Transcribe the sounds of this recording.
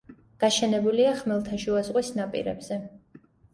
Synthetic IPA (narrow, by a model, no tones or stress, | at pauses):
ɡ̥aʃɛnɛbuliaχmɛlˠt̪ʰaʃuazʁʼwisnapʼḭɾɛ̰bz̥ɛ